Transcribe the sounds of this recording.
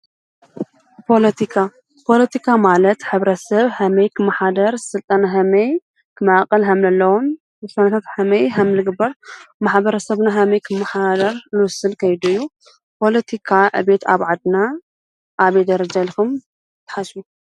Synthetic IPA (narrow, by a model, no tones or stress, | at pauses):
pʰo̞lɐt̪ʰikʰa | pʰo̞lɐt̪ʰikʰamalɐt̪ħɨβɾɐsɐβhɐmejkʰɨmːaħad̪ɐɾsɨlt̪ʼanaɦɐmej | kʰɨmaakʼɐlɦɐmlɐlːɐwun | bɨsanat̪ʰat̪ħɐmejɦɐmlɨɡɨbːɐɾmaħbɐɾɐsɐβnaɦɐmɐjkʰɨmːaħad̪ɐɾnɨwʊsɨlkʰɐjd̪uɨjːu | pʰo̞lɐt̪ʰikʰaʕɨ̰βe̞t̪ʰaβʕad̪na | ʔːβejd̪ɐɾɐd͡ʒalkʰum | t̪ʰɨ̥ħasu